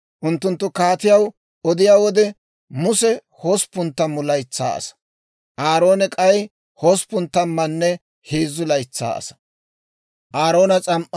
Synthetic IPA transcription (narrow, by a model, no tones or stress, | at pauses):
ʔʊnt̪ːʊnt̪ːʊkaːt̪ɪjɐw | ɔd̪ɪjaːwɔd̪ɛ | mʊsɛ | hospːʊnt̪ːɐmːʊlɐjt͡sːa̰ːɐ̰sɐ̥ | ʔaːɾo̞ːnɛkʼɐj | hoːspʊnt̪ːɐmːɐnːɛ | heːzːʊlɐjt͡sːa̰ːʔɐ̰sɐ̥ | ʔaːɾo̞ːnɐt͡sʼɐmʔɐ